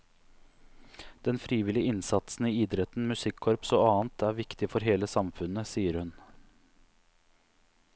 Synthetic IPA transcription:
d̪̥ɛnfɾiːʋɪlɪəɪnsɑt̪sn̩iːiːd̪ɾɛt̪ːn̩mʉsɪkʰːɔɾpsoːɑːnt̪ʰæːɾʋɪkt̪ɪfɔɾɦeːləsɑmfʉnəsiːəɾhʉn

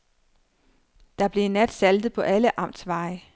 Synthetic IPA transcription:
d̥ɑ̈b̥le̝nːæd̥sæld̥ð̞̩ˠpʰɒ̽ʔæləʔɑ̈m̰d̥sʋɑ̈ɪ

